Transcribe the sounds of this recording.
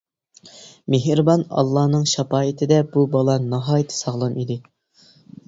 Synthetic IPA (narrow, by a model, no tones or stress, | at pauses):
meɦɾbɑnɑ̰lˠːɑːnɨŋʃɑpɑːɪt̪ʰɪd̪ɛbubɑlˠɑnɑɦɑːjɪt̪ʰːɪ̥sɑʁlˠɑnid̪ɪ